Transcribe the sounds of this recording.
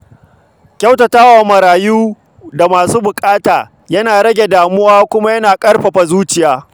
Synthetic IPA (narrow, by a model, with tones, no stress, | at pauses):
kʲa˦wtɐ˨taː˦wa˨mɐ˨ɾaː˨juː˦ | da˨maː˨suː˦bʊ˨kʼaː˦taː˨ | jɐ˦naː˨ɽɐ˦ɡʲe˨daː˨mʊ˦waː˦kʷʊ˦ma˦jɐ˦naː˨kʼɐ˦rɸɐ˨ɸa˨zuː˦t͡ʃɪ˨jaː˨